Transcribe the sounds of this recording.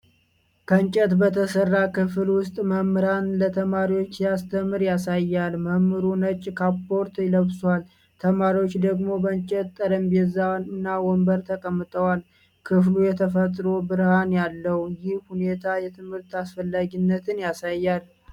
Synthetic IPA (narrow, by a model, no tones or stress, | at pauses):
kʰəɨnt͡ʃʼɛt̪bət̪ʰəsərːakɨfɨlwʊst̪ʼməmɾanlət̪ʰəmaɾiwo̞t͡ʃːjast̪ʰəmːɨɾjasajːalməmːɨɾunət͡ʃʼːkʰapːo̞ɾt̪ɪləβswal | t̪ʰəmaɾiwot͡ʃːd̪əɡmo̞bəɲt͡ʃʼət̪t̪ʼːəɾəmbjɛzːawnɨnːawɔmbəɾt̪ʰəkʼəmːɨt̪ʼəwal | kʰɨflujɛt̪ʰəfət̪ʼɾo̞bɨɾhanjalːəwjɪhhune̞t̪ʰajɛt̪ʰɨmhɨɾt̪asfəlːaɡinːət̪ʰɨnjasajːal